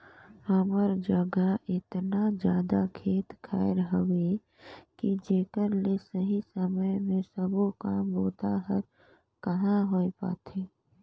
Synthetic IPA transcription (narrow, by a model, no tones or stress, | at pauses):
əməɾd͡ʒəɡəʔɪt̪nad͡ʒjaːd̪akʰeːt̪kʰaːjɾɦəʋe | kid͡ʒeːkəɾlesəɦisəməjmẽsəbokaːmboːt̪aɦəɾ | kəɦãɦoːepa̰ːt̪ʰeː